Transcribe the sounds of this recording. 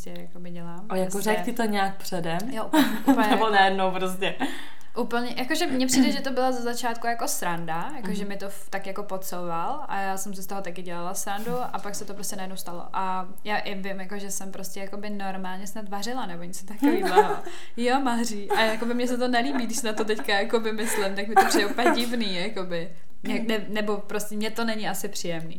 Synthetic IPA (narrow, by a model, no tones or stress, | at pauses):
scɛja̰kobɪɟɛlaːmojakorɛktɪt̪oɲɛak̚pr̥ɛdɛmjoʔ | upɲɛɛbonajɛdnowpɾos̬cɛ | ʔuːpl̩ɲɛjakoʒɛmɲɛpr̥iːdɛʒɛt̪obɪlazazat͡ʃaːt̪kujako̞sɾandajakoʒɛmɪt̪oft̪akjako̞pot̪sowvalʔa̰jaːsɛmsɪst̪oɦo̞t̪akɪɟɛlalasɾanduʔapaksɛt̪o̞pɾoscɛnajɛdnowst̪alo̰ʔa | jaːʔɪvɪmjakoʒɛsɛmpɾoscʲɛjakobɪno̞ɾmaːlɲɛsnat̪varɪlanɛbo̞ɲɛt͡sot̪akɪviblao | jomaːriʔʔajakobɪmɲɛsɛt̪onɛliːbiːɡdɪʃsɛnat̪ot̪ɛckajakovɪmɪslɪmt̪ak̚mɪɛt̪opr̥idɛʔupɛɲɛɟɪvniːjakobɪ | ɲɛnɛnɛbo̞pɾoscɛmɲɛt̪o̞nɛɲɪasɪpr̥iːjɛmnḭː